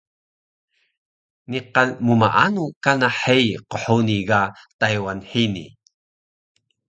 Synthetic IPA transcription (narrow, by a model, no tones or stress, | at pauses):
niqalmuma̰ʔanukanaħejqəħuniɡatajwanħinḭ